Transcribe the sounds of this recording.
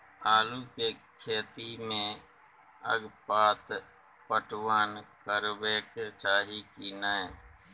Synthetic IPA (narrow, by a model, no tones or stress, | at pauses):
aːlukekʰeːt̪imẽ | ə̰ɡpaːt̪ | pəʈwaːnkəɾbeːket͡ʃaːɦikinae